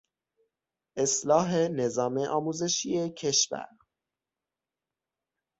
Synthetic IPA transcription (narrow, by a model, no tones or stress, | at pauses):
ʔe̞slɒːɦe̞ne̞zɒːmeʔɒːmuːze̞ʃije̞cʰe̞ʃvæ̰ɾ